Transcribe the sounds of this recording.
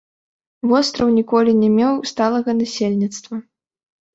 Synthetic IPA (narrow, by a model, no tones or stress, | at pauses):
vɔst̪ɾɐwnʲikɔlʲinʲɛmʲɛwst̪alˠɐɣɐnasʲelʲnʲit̪st̪vɐ